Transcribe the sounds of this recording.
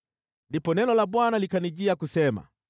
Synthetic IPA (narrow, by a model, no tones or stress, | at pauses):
ndipɔnɛnɔlaɓwanalikaniʄiakusɛma̰